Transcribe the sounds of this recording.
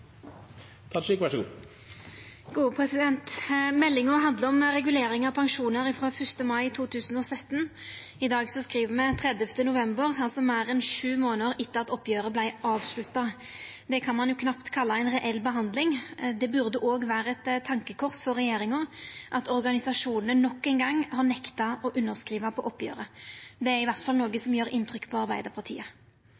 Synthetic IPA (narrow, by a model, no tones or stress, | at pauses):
t̪ʰɑʂiːkʋɑʂɡṵː | ɡ̥uːpʰʁɛsɪd̪ɛnt̪mɛlːɪŋʊɦɑnd̪ləɔmʁɛɡʉleːɾɪŋɑpʰɑŋʂuːnəʁɪfɾoːfœst̪əmɑɪt̪ʰuːt̪ʰʉːsən̩ɔsœt̪ːən | ɪd̪ɑːɡsɔskʁiːʋəmɛt̪ʰʁɛd̪ɛft̪ənʊʋɛmbəʁɑlsɔmæːɾɛnʂʉːmoːnəʁɪt̪ːəʁɑt̪ɔpːjøːɾəblæɪʔɑːʋslʉt̪ːɑd̪ɛkʰɑnmɑnjʊkʰnɑpt̪kʰɑlːɑæɪnʁɛʔɛlːbəɦɑnd̪lɪŋd̪ɛbʉʁd̪əʔoːɡʋæːɾəɛt̪t̪ʰːɑŋkəkʰɔʁsfɔʁːɛjeːɾɪŋʊʔɑt̪ɔʁɡɑnɪsɑʂuːnənənɔkːɛɪnɡɑŋːhɑʁnɛkt̪ɑɔʔʉnːəʁskɾiːʋɑpʰɔʔɔpːjø̰ːʁəd̪ɛæɾɪʋæʁt̪fɑlnoːɡəsɔmjøːɾɪnːt̪ʰʁʏkːpʰɔɑʁbæɪd̪əɾpʰɑʁt̪ʰḭːə